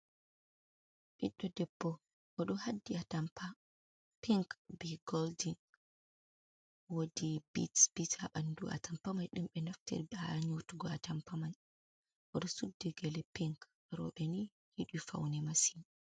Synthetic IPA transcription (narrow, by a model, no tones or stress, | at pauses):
ɓiɗːɔdɛbːɔ | ʔɔɗɔhadːiatampa | piŋkbiɡɔldin | wodibḭtb̥itʰaɓanduʔa̰tampamajɗumɓɛnaftɛ̰ɾɓɛhaɲotuɡɔatampaman | ʔɔɗɔsudːiɡɛlɛpiŋk | ɾɔ̰ɓɛni | hiɗifa̰wnɛmasim